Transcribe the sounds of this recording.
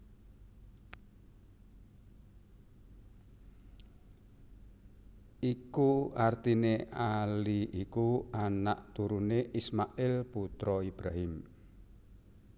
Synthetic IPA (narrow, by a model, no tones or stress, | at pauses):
ikuart̪ineʔaliikuanaʔt̪uɾuneʔismaʔɪlput̪ɾɔibɾaɦɪm